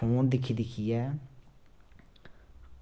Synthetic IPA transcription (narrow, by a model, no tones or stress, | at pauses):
oːnd̪ɪkʰːiːd̪ɪkʰːijɛː